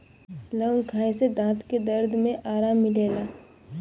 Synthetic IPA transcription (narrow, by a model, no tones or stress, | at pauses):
lə̃ŋɡkʰaːẽsed̪ãːt̪ked̪ɐɾd̪ʱmẽʔaːɾaːmːɪleːlaː